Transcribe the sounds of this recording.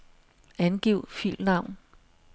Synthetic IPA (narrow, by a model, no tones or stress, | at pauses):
ænɡ̥iʊ̰fḭlnɑ̈ʊ̰n